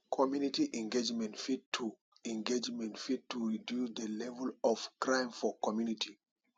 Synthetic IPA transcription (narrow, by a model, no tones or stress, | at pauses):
kʰɔmjunitiʔɛ̃ŋɡed͡ʒmɛ̃ntfid̚tʰu | ɛ̃ŋɡed͡ʒmɛ̃ntfid̚tʰuɹidjusd̪əlɛvɛlɔv̥kɹãɪ̃mfɔkɔmjunitʰi